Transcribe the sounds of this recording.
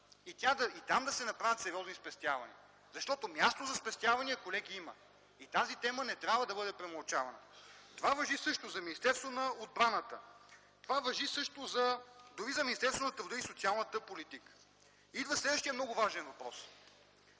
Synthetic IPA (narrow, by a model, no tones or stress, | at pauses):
it̪ʲad̪ɐit̪amd̪ɐsɛnɐpɾavʲət̪sɛɾʲiɔznispɛst̪ʲjavɐ̰nḭə | zɐʃt̪ɔt̪omʲjast̪ozɐspɛst̪javɐniɛkolɛɡiimə̰ | it̪azit̪ɛmənɛt̪ɾʲjabvəd̪ɐbɤd̪ɛpɾɛmɐlˠt͡ʃavɐnət̪ovavɐʒisɤʃt̪ozɐminist̪ɛɾst̪vonɐod̪̚bɾanət̪ə̰ | t̪ovavɐʒisɤʃt̪ozɐd̪ʊɾizɐminist̪ɛɾst̪vonɐt̪ɾʊd̪ɤisot̪sialˠnət̪əpolit̪ikə̥ | id̪vəslɛd̪vəʃt̪ijəmnɔɡʊvaʒɛnvɐpɾɔs